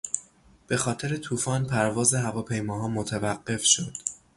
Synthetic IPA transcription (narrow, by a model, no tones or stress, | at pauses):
b̥e̞xɒːt̪ʰe̞ɾe̞t̪ʰuːfɒːnpʰæɾvɒːzeɦævɒːpʰe̞jmɒːɦɒːmot̪ʰævæɢːe̞fʃod̪̥